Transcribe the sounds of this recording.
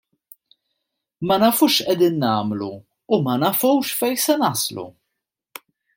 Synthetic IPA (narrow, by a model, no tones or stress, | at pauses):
mɐnɐfuːʃʔɛd̪iːnːɐːmlṵː | mɐnɐfuwʃfɛjsɛnɐslṵ